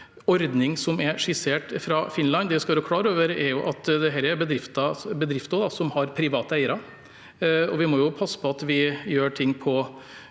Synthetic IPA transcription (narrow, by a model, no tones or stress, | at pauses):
ɔɾd̪nɪŋsɔmɛɾʂɪseːʈfɾɑfɪnlɑnːd̪ɛʋɪskɑʋɑːɾəkʰlɑːɾəoːʋəɾɛɾjʊʔɑt̪d̪ɛɦæːɾæɾbəd̪ɾɪft̪ɑbəd̪ɾɪft̪ɑd̪ɑsɔmhɑɾpʰɾɪʋɑːt̪əæɪəɾɑ | ɔʋɪmɔjʊpʰɑsːə̥pʰɔɑt̪ʋɪjøːʈʰɪŋːpʰɔ